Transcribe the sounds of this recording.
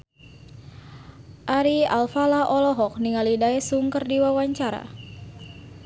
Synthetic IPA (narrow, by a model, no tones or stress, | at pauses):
ʔaɾia̰lfalaʔɔlɔɦɔk̚niŋalidajsuŋkərdiwawaɲt͡ʃaɾa̰